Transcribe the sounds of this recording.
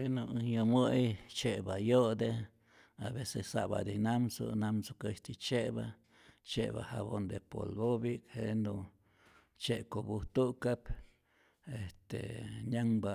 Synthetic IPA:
enuʔjoməjt͡ʃebajoʔd̪e | aβesessaʔba̰d̪inamso̰namsokeʃt̪it͡ʃeba | t͡ʃeba̰ha̰bond̪epo̰lbobikhenu | t͡ʃekobuht̪ukap | est̪ḛɲaŋba

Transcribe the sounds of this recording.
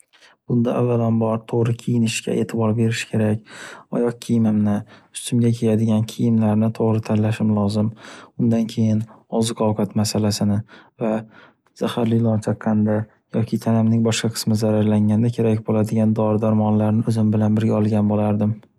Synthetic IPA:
b̥ʊnd̪aʔavːalanbɒɾt̪ʰoʁɾɪkʲʰejɪnɪʃɡʲʰa̰ʔe̞ːt̪ʰɪbɒɾbe̞ɾɪʃɪ̥kʲʰe̞ɾakʲɒ̰jɒq̚kʲʰijmɪmnɪʊ̥st̪ʰɪmɡʲakʲʰe̞jad̪ɪɡʲankʲʰejɪmlaɾnɪt̪ʰoʁɾɪt̪ʰanlaʃɪmlˠɒzɪmʊnd̪ankʲʰe̞jɪnɒzɪqʰɒwqʰat̪masalasɪnɪva | z̥ahaɾlɪlˠɒnt͡ʃʰɑqʰːɑnd̪a | jɒkʲʰɪt̪ʰanamnɪŋbɒʃqɑqʰɨ̥smɪzaɾaɾlaŋʲand̪akʲʰe̞ɾak̚ʲbolad̪ɪɡʲand̪ɒɾd̪aɾmɒnlaɾnɪɵzɪmbɪlanbɪɾɡʲaɒlˠɡʲanbolaɾd̪ɪm

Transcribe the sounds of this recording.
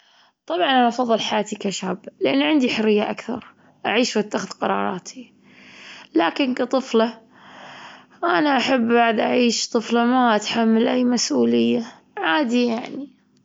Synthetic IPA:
t̪ˤɑbʕɑnaʔɑfɑðˤːɨlħajaːt̪ikaʃablɪʔanːʕɪnd̪iħʊɾɪjːaʔakθɑ̰ɾˤ | ʔaʕiːʃwat̪ːaxɪðqɑɾˤɑ̰ːɾˤɑ̰ːt̪ʰi | laːkɪnkat̪ˤɨfla | ʔanaʔaħabːbaʕd̪ʔaʕiːʃt̪ˤɨflɑmaʔat̪ħamːalʔajːmasʔuːlɪjːa | ʕaːd̪ijaʕni

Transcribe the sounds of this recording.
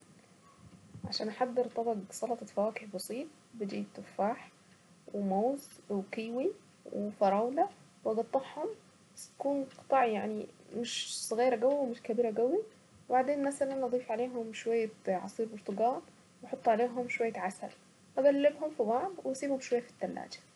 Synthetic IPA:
ʕaʃæːnʔaħad̪ːeɾt̪ˤɑbɑɡsˤɑlɑt̪ˤɑfæwæːkeħbɑsˤiːt̪̚ˤ | bɪd̪iːt̪ːʊfːaːħ | wemoːzwkiːwi | wefɑɾˤɑːwlæ | wʔɑɡɑt̪ˤːɑħhom | st̪æ̥kuːnqɨ̥t̪ˤɑʕjaʕnimɪʃsˤɣiːɾaɡæwːiwmɪʃkabiːɾaɡæwi | wɪbaʕd̪eːnmasalanʔɑd̪ˤiːfʕaleːɦʊmʃwajːaʕɑ̰sˤiːɾbʊɾt̪ʊɡaːn | wɑħot̪ˤːʕaleːɦʊmʃwajːaʕasa̰l | ʔaɡælːɪbɦʊmfibɑʕd̪ˤwʔɑsˤiːbhʊmʃwajːafi̥t̪ːalːa̰ːd͡ʒḁ

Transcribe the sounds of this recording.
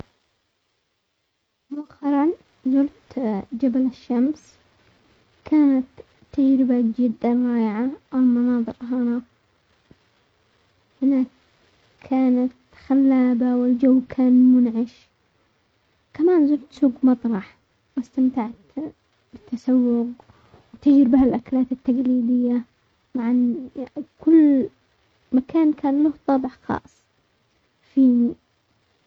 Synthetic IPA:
waqɑɾˤɑn | zʊlt̪d͡ʒabalaʃːams | kʰaːnat̪ʰː | ad͡ʒɾɪbad͡ʒɪd̪ːanɾˤɑːjɪʕaʔalmɑnɑːðˤɨɾɦana | hɪna | kʰaːnat̪ | xalːaːbawɪld͡ʒawːkʰaːnmʊnʕɪʃ | kamaːnzʊlt̪suːɡmɑt̪ˤɾˤɑħ | wɪst̪amt̪aʕt̪ | bɪt̪ʰːasawːʊɡ | wt̪ɪd͡ʒɾɪbhalʔaklaːt̪ɪt̪ːaɡliːd̪ɪjːa | maʕan | kʊlː | makʰaːnkʰaːnlʊht̪ˤɑbɪħxɑ̰ːsˤ | fiːni

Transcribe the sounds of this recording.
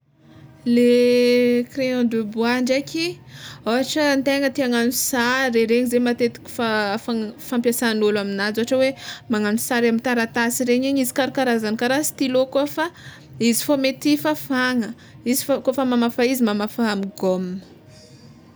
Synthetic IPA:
le | kreɔ̃d̪ubuaɳɖ͡ʐakʲiaaʈ͡ʂənt̪eŋət̪iaŋanusaɾeɾeɲizemat̪et̪i̥kʲu̥fafafampʲjasanulaminazuaʈ͡ʂəwemaŋanusaɾamint̪aɾat̪asiɾeɲiɲizi̥kaɾukaɾazanikaɾasi̥t̪ilokofa | izi̥fomet̪ifafaŋə | izifakofəmamafaizimamafaamiɡomnə̥

